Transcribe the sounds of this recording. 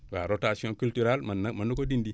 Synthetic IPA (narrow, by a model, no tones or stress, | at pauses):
waɾotasiõkyltyɾalmamanːukodindi